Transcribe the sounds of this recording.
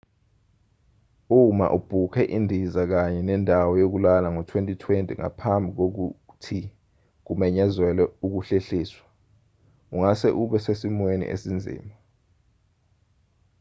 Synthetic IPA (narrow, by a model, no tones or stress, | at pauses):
uma̰ʔub̥ʱukʰɛʔindʱizak̬aɲɛnɛndʱawɔjok̬ulalaŋɔtʰwentʼitʰwentʼiŋa̰pʰambʱik̬ok̬u | tʰi | k̬umɛɲazwɛlɛuk̬uɬeɬiːswḁ | uŋasɛʔuɓɛsesimwenḭʔḛsind͡zʱḭːma